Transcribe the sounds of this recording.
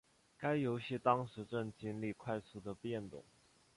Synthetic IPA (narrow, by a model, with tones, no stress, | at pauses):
ka˥ɪjo˧˥ʊɕi˥˩t̪ɑ˥ŋʂɻ̩˧˥ʈ͡ʂə˥˩nt͡ɕi˥nli˥˧kʰwa˥˧ɪsu˥˩d̪ə˨˩pjɛ˥˩nt̪ʊ̰˨˩˦ŋ